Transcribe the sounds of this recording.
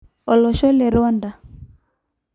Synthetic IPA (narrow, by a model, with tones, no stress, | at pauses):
ɔ˨lɔ˨ʃɔ˦lɛ˨ɾɔ˦nda˨